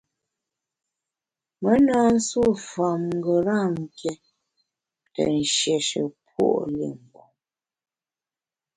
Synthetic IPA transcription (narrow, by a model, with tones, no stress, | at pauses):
mə˦na˦n̩˦su˦˨fa˨mŋ˨ɡə˨ɾa˦˨ŋ̩˨kɛ˦ | tə̰˨n̩˨ʃjɛ˨ʃə̰˨pwo̰˦˨ʔlḭ˨ŋ̩˨bo˨